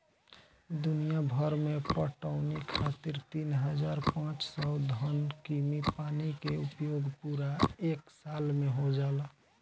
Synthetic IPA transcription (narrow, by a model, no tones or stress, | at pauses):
d̪ʊnijabʱəɾmẽpəʈəʊnikʰat̪iɾt̪iːnɦəd͡ʒaːɾpãːt͡ʃsɔd̪ʱɔnkimipaːnikeupjoːɡpuɾaeːksalmẽɦod͡ʒaːla